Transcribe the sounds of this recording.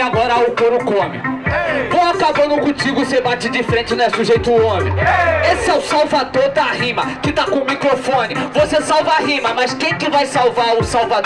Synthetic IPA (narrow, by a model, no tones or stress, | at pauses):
aɡɔɾɐaʊkoɾʊkõmɪ̰võwakabɐ̃d̪ʊkõt͡ʃiɡʊsebat͡ʃɪd͡ʒɪfɾẽnt͡ʃɪnɛsʊʒejt̪ʊõmḛ̃jesɪɛʊsawvad̪oɾd̪aɦĩmɐkɪt̪akõmikɾofõnɪvosesawvɐaɦĩmɐmɐskẽj̃kɪvajsawvaɾʊsawva